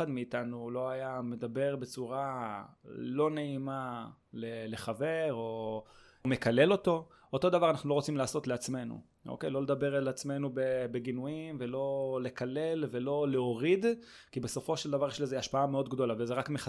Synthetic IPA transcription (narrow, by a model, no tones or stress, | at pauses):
ad̪miːtanulo̞ajame̞d̪abe̞ʁbe̞t͡suʁa | lo̞ne̞ima | lele̞χave̞ʁo̞ | me̞kale̞lo̞to̞ | ot̪o̞d̪avaʁanaχnulo̞ʁo̞t͡simlaːso̞tleat͡sme̞nṵ | ʔo̰kejlo̞le̞d̪abe̞ʁalat͡sme̞nubebe̞ɡinuimve̞lo̞le̞kale̞lve̞lo̞leoʁid | kibe̞so̞fo̞ʃeldavaʁjeʃlezeaʃpaameo̞d̪ɡd̪o̞lavezeʁakmeχa